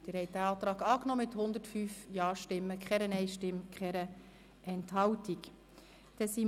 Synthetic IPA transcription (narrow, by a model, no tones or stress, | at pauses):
d̥ɪɾhɛj̚d̥æɑːt̪ɾɑːɡɑːknɔmɪthʊnd̪ətfyːfjɑːʃtɪmːəkχɛɾənɛɪʃtɪmkχɛɾə | ɛnthɑwtik | d̥ɛsi